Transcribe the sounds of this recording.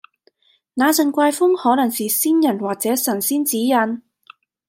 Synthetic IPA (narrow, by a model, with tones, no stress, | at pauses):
naː˨˧t͡sɐ˨ŋkʷaː˧jfʊ˥ŋhɔː˨˥nɐ˨˩ŋsiː˨siː˥njɐ˨˩nwaː˨k̚t͡sɛː˨˥sɐ˨˩nsiː˥nt͡siː˨˥jɐ˨˧n